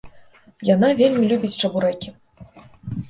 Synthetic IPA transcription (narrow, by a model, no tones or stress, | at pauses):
janavʲelʲmʲilʲubʲit͡sʲt͡ʂabuɾɛkʲi